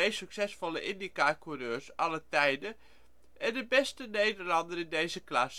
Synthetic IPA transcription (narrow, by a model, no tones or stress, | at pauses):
ejsyksɛsfɔlˠəʔɪndikaːkurøːɹsɑlətɛjdə | ʔɛndəbɛstənejdəlɑndəɾɪndejzəklas